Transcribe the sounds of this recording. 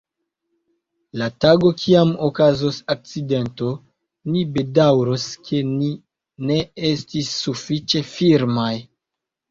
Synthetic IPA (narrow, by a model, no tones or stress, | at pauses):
lataɡo̞kʰiamokazosak̚t͡side̞nto̞ | nibe̞dawɾoskʰe̞ni | ne̞estisːufit͡ʃe̞fiɾmaj